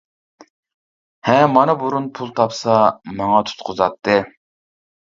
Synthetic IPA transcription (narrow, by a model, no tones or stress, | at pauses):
hɛːɑnɨbuɾunpʰulˠt̪ʰɑpsɑmɑŋɑt̪ʰu̥t̪qʰʊzɑt̪ʰːɨ